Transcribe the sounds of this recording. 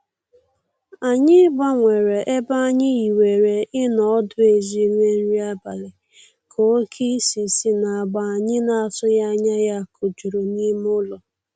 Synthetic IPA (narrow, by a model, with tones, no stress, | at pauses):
a˨ɲɪ˦ba˦ŋʷe˨ɾe˨ʔe˦ba˦a˦ɲɪ˦i˨we˨ɾe˨ʔɪ˦nɔ˨ɔ˦dʊ˦e˨zi˦ŋʷe˦n̩˦ɾi˦a˦ba˨le˨ | kʰo˨o˦kʰi˦si˨si˦na˨ɡ͡ba˨a˨ɲɪ˦na˨a˨tʊ˦ja˦ɲa˦ja˦kʰo˨d͡ʒu˨ɾo˨ni˦m˦ʊ˦lɔ˨